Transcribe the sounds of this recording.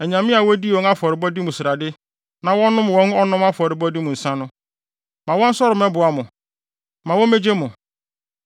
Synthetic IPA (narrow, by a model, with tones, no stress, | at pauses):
ɛ˨ɲã˨mɪ̃˦a˨wɔ˦di˦˨ɔ̃˨˦ŋa˦fɔ˨ɾɪ˨bɔ˦di˦mʊ̃˨sɾa˨dɪ˦ | nã˨wɔ̃˦nʊ̃˦mwɔ̃˦n˦ɔ˦nʊ̃˦ma˦fɔ˨ɾɪ˨bɔ˦di˦mʊ̃˨n̩˨sã˦nʊ̃˦ | mã˨wɔ̃˦n̩˦sɔ˦ɾɪ˨mɛ̃˦bʊ˨a˦mʊ̃˨ | mã˨wɔ̃˦me˦d͡ʑe˦mʊ̃˨